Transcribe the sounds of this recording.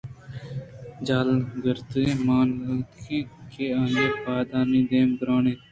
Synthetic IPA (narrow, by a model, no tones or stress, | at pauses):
d͡ʒaːlɡəɾt̪emaːnːkʰĩːkʰeːaːŋɡeːpaːd̪aːnĩːd̪eːmɡəɾaːneː